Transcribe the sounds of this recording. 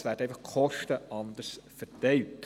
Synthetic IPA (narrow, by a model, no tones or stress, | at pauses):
sʋæːɾd̥ɛɪfɑχkʰɔʃtəʔɑnd̪əsfərtɛɪt